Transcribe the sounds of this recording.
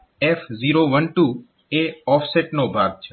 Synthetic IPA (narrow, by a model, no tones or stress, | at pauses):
eːfziːɾoːʋənʈuː | eːɔːpʰseːʈnoːbʱaːɡ̚t͡ʃʰe